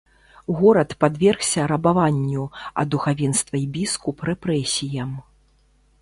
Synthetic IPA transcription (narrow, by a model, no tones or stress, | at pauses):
ɣɔɾɐt̪pad̪vʲɛrxsʲɐɾɐbavanʲːuɐ̰d̪uxavʲɛnst̪vɐjbʲiskuprɛpɾɛsʲijɐm